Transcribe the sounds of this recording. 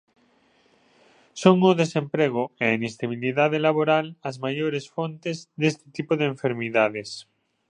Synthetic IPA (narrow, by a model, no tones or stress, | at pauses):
soŋʊðesempɾeɣoeainest̪aβ̞iliðaðelaβoɾalɐzmajoɾesfont̪ezðest̪ɪ̥t̪ipoðeeɱfeɾmiðaðes